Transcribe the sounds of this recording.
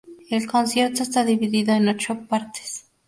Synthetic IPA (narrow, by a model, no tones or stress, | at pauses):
elko̞nsje̞ɾt̪o̞est̪aðiβiðiðoeno̞t͡ʃo̞paɾt̪e̥s